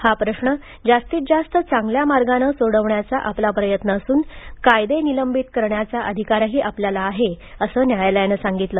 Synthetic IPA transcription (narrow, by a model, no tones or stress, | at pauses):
hapɾəɕɳə | d͡zast̪iːt̪̚d͡zast̪ət͡saŋɡljamaɾɡanəsoɽəʋɳjat͡saʔaplapɾəjət̪nəːsuːnkajd̪eniləmbit̪kəɾɳjat͡saʔəd̪ʱikaɾaɦiːʔapljalaːɦeəsəːnjajalajnəsaŋɡit̪ləː